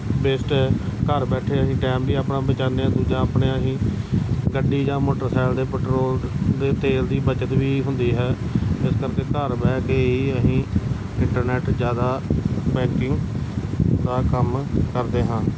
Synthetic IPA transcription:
beːsʈɛːkəɾbɛːʈʰeːəɦĩːʈɛːmbiːaːpnãːbət͡ʃaːneãːd̪uːd͡ʒãːəːpɳeːəɦĩː | ɡəɖːiːd͡ʒãːmoːʈəɾsɛːld̪eːpɛːʈɾoːld̪eːt̪eːld̪iːbət͡ʃət̪ʋiːɦʊnd̪iːɦɛːɪskəɾkeːkəɾbɛːɡeiːəsĩː | ɪɳʈəɾnɛːʈd͡ʒjaːd̪aːbɛ̃ːŋkɪŋɡ | d̪aːkəmkəɾd̪eːɦãːn

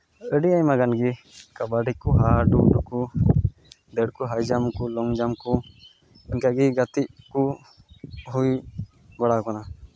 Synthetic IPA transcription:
əɖiajmaɡanɡi | kabaɖikuɦaɖuɖuku | d̪ɛɽkuɦajd͡ʒamkulɔŋd͡ʒamku | əɲkaɡiɡat̪iʔku | ɦuj | baɽakɔna

